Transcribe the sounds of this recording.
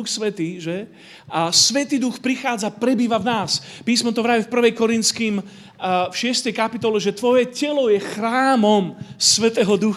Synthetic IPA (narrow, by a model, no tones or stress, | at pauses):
uxsʋɛt̪iːʒɛ | asʋɛt̪iːd̪uxpɾixaːd͡zapɾɛbiːʋavnaːspiːsmɔt̪ɔʋɾaʋifpr̩ʋɛjkɔɾint̪t͡skiːm | fʃɪɛst̪ɛjkapit̪ɔlɛʒɛt̪ʋɔjɛcɛlɔjɛxɾaːmɔmsʋɛt̪ɛːɦɔd̪ux